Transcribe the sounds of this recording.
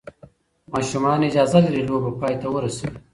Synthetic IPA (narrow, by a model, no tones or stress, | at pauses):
mɑːʃumɑːnid͡ʒaːzalɐɾiloːbapɑːjt̪awəɾɐsi